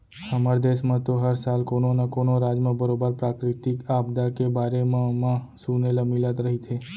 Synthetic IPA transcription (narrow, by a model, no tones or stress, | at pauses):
həmaɾd̪eːʃmãt̪oɦəɾsaːlkoːnonakoːnoɾaːd͡ʒmãbəɾoːbəɾpɾaːkɾɪt̪ɪkaːbd̪akebaːɾemãmãsuːneləmilat̪ɾəɦit̪ʰeː